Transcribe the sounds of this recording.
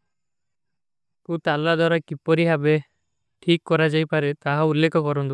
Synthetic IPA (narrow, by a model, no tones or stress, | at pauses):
kut̪alad̪waɾakipɔɾiɦabe | ʈʰikːɔɾad͡ʒajpaɾet̪aɦaulːekɔkɔɾɔnt̪u